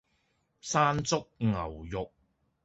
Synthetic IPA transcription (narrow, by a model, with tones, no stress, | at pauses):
saː˥nt͡sʊ˥k̚ŋɐ˨˩wjʊ˨k̚